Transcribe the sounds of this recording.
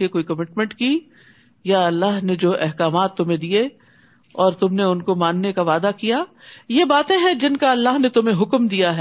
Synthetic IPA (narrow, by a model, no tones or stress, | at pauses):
ekoːikɐmɪʈmɛ̃ɳʈki | jaɐlːaɦned͡ʒoːʔɛɦkaːmaːt̪ːʊmɦẽd̪ie | ɔːɾt̪ʊmneʊnkomãːnnekaʋaːd̪akijaː | jebaːt̪ẽɦɛ̃d͡ʒɪnkaɐlːaɦnet̪ʊmẽɦʊkmd̪ijaɦɛ